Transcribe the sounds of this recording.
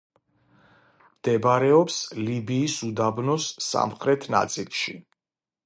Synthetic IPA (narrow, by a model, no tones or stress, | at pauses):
md̪̥ɛbɾɛɔpslibiːsud̪abnɔsːa̰mχɾɛt̪ʰna̰t̪sʼilˠʃi